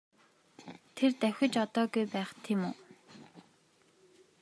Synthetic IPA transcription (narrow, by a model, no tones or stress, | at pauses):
t̪ʰert̪æwʲɘ̆t͡ɕɔt̪ɔːɡujpæːχt̪ʰemʊː